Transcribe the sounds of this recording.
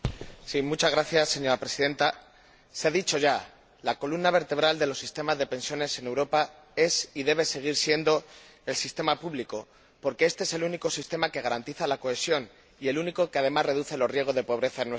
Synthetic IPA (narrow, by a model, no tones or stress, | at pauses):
simut͡ʃazɣɾaθjasːe̞ɲo̞ɾapɾe̞siðe̞nt̪a | seaðit͡ʃo̞ʝa | lako̞lumnaβ̞e̞ɾt̪e̞β̞ɾald̪e̞lo̞sːist̪e̞mazðe̞pe̞nsjo̞ne̞sene̞wɾo̞pa | e̞siðe̞β̞e̞se̞ɣ̞iɾsje̞nd̪o̞ | e̞lsist̪e̞mapuβliko̞ | po̞ɾke̞e̞st̪eese̞luniko̞sist̪e̞make̞ɣaɾant̪iθalako̞e̞sjo̞n | ie̞luniko̞keað̞e̞mazre̞ð̞uθe̞lo̞zrje̞ɣ̞o̞zð̞e̞po̞β̞ɾe̞θaenwe